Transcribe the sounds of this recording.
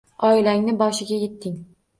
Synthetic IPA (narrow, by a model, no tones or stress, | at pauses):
ɒɪlaŋnɪbɒʃɪɡʲaje̞t̪ʰːɪŋ